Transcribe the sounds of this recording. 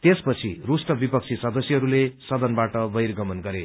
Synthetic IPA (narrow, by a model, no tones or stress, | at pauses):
t̪espʌt͡sʰirusʈʌbipʌk̚t͡sʰisʌd̪ʌsjʌɦʌɾulesʌd̪ʌnbaʈʌbʌjrɡʌmʌnɡʌɾe